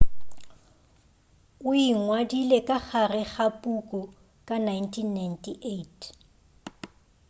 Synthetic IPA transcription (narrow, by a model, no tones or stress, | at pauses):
ʊiŋwadilekʼaχarɛχapʼukʼʊ | kʼanajntʰinːajntʰiʔetʰ